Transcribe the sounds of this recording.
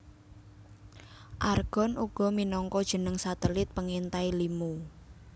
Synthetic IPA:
ʔarɡ̥ɔ̤nʔuɡ̥ɔ̤minɔŋkɔd̥ʒ̥ə̤nəŋsat̪əlɪt̪̚pəŋint̪ailimu

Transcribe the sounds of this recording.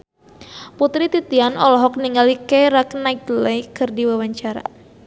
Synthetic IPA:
put̪ɾit̪it̪ianɔlɔɦɔk̚niŋɡalikeɾaknajk̚lejkɨrdiwawaɲt͡ʃaɾa̰

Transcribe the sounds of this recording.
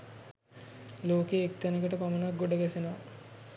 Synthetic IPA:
loːkeːk̚t̪ænəkəʈəpamənak̚ɡoɖəɡɛsenaa

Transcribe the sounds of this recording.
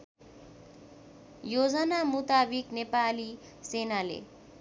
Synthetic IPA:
jod͡zʌnamut̪abiknepali | senalḛ

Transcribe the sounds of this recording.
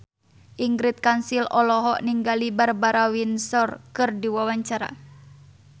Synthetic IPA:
ʔiŋɡɾit̪̚kansilɔlɔɦɔʔniŋɡalibarbaɾawinsɔrkɨrdiwawaɲt͡ʃaɾa̰

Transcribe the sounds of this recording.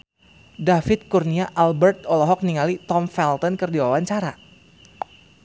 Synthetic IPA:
dafɪt̪̚kurniaʔalbɛrt̪ɔlɔɦɔk̚niŋalit̪ɔmfɛlt̪ɔnkɨrdiwawaɲt͡ʃaɾa

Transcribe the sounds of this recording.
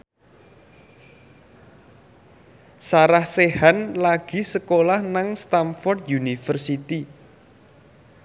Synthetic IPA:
saɾahsehanlaɡ̥i̤səkolahnaŋst̪amfɔrd̪junifərsit̪i

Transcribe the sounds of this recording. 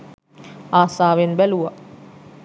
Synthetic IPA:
aːsaːʋenbæluʋa

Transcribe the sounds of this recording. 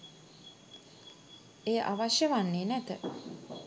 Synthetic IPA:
ejəʔaʋaʃjəʋanːeːnæt̪ə

